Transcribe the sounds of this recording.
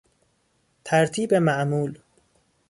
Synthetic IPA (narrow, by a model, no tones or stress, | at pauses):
t̪ʰæɾt̪ʰiːbemæʔmuːl